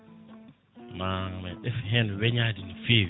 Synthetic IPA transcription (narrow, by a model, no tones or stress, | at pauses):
mamɛɛfɦɛnʊβɛɲadinife